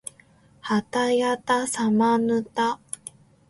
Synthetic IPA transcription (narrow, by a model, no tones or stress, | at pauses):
hat̪ajat̪asamanɯt̪a